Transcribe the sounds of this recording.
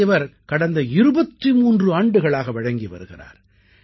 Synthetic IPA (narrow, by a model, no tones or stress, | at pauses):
ɪʋɐɾkɐɽɐnd̪ɐɪɾɯbɐt̪ːimuːndrɯaːɳɖɯɣɐɭaːɣɐʋɐɻɐŋɡiʋɐ̰ɾɯɣɪra̰ːɾ